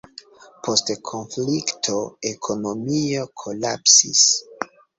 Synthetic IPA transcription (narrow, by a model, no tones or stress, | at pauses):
pʰo̞stkʰo̞nfliktʰoekʰo̞no̞mio̞kʰo̞lapsḭs